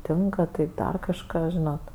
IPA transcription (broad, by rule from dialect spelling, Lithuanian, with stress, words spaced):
ˈtʲɪŋkɐ tɐɪ ˈdɐr kɐʃˈkɑː ˈʒʲɪnoːt